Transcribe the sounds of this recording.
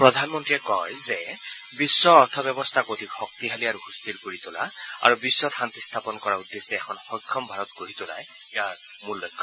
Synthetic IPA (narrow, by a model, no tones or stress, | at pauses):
pɹɔd̪ʱanmɔntɹiɛkɔjzɛ | bisːɔːɹt̪ʰɔbɔbɔst̪ʰakod̪ʱikxɔk̚t̪iɦaliaɹuxust̪ilkoɹit̪ʊla̰a̰ɹubisːɔt̪xant̪ist̪ʰapɔnkɔɹaud̪ːesɛɛkʰɔnxɔkʰːɔmbʱaɹɔt̪ɡoɹit̪ʊla̰j | ɛaɹ | mullɔjkʰːɔ